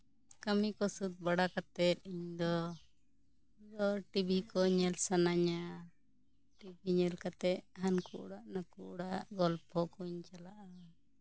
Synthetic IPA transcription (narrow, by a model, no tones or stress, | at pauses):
kamikɔsut̪̚baɽakat̪ɛt̪̚iɲd̪ɔ | dɔʈibʱikɔɲɛlsanaɲa | ʈibiɲɛlkat̪ɛʔ̪̚ɦankuʔɽaʔnakuʔɽaʔɡɔlpʰhɔkɔɲt͡ʃalaʔa